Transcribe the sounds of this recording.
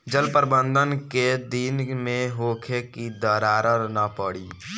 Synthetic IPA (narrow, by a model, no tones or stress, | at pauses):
d͡ʒəlpəɾbə̃nd̪ʱənked̪inmẽɦoːkʰekid̪əɾaːɾəɾnapəɽiː